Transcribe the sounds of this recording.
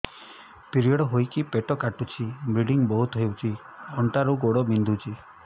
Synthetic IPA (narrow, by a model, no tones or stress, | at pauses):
piɾiɔɽɔɦojkipeʈɔkaʈut͡ʃʰibɾiɖiŋbɔɦut̪ɔɦewt͡ʃʰi | ɔɳʈaɾuɡoɽɔbind̪ʱut͡ʃʰi